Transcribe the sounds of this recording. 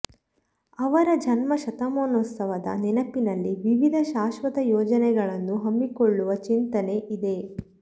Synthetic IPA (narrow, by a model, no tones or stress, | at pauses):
ɐʋɐɾɐd͡ʒɐnmɐʃɐt̪ɐmoːnot̪sɐʋɐd̪ɐ̰nɛnɐpinɐlːiʋiʋid̪ʱɐʃaːʃʋɐt̪ɐjɔːd͡ʒɐnɛɡɐɭɐnːuɦɐmːikoɭːuʋɐt͡ʃint̪ɐne̞ʔid̪e̞